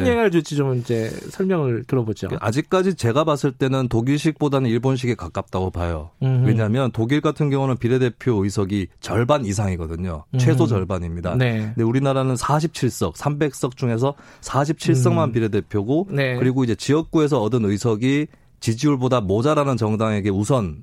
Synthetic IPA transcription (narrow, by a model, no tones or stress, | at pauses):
eŋɦaɭd͡ʑud͡ʑit͡ɕomid͡ʑe̞sʰʌɭmjʌŋɯɭtɯɾʌbod͡ʑo̰ʔa̰d͡ʑik̚k͈ad͡ʑit͡ɕe̞ɡabas͈ɯɭt͈e̞nɯntoɡiɭɕ̬ʰik̚p͈odanɯniɭbonɕ̬ʰiɡekak͈ap̚t͈aɡopajo̰we̞ɲaɦmjʌntoɡiɭɡatʰɯnɡjʌŋunɯnpiɾe̞de̞pʰjoɯisʰʌɡit͡ɕʌɭbanis̬ʰaŋiɡʌdɯɲo̰t͡ɕʰwe̞sʰod͡ʑʌɭbaɲimɲida̰neindeuɾinaɾanɯnsʰaɕ̬ʰip̚t͡ɕʰiɭs͈ʌ̰k̚sʰambe̞k̚s͈ʌk̚t͡ɕ͈uŋe̞sʰʌsʰaɕʰip̚t͡ɕʰiɭs̬͈ʌŋmanpiɾe̞de̞pʰjoɡonekɯɾiɡoid͡ʑe̞t͡ɕiʌk̚k͈ue̞s̬ʰʌːdɯnɯisʰʌɡi | t͡ɕid͡ʑiuɭbodamod͡ʑaɾanɯnt͡ɕʌŋdaŋe̞ɡe̞usʰʌn